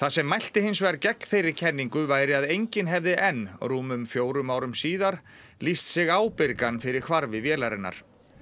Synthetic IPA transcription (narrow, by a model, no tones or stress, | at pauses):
θasɛmːajl̥t̪ɪhɪns̬vɛɾcɛkn̥fejɾɪɾ̥cʰɛnːiŋkʏvaːjɾɪaðejɲcɪnɦɛvðɪʔɛnruːmʏmfjoːwɾʏmaːwɾʏmsiːðaɾ̥ | list̪sɪɣaːwpɪɾkanfɪɾɪɾ̥kʰvaɾvɪvjɛːlaɾɪnːa̰ɾ̥